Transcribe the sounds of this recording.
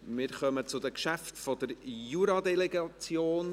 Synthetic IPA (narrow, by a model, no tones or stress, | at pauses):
mɪːɾχœmət͡sʊdəkʃæftfɔdəɾjuːɾɑdɛlɛɡɑt͡sjoːn